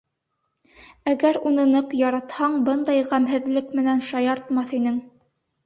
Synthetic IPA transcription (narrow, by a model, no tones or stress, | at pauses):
æɡæɾunɤ̆nɤqjɑɾɑt̪hɑɴbɤnd̪ɑjʁæmɦɘ̆ðlɘkmɘ̆nænʃɑjɑɾt̪mɑθinɘŋ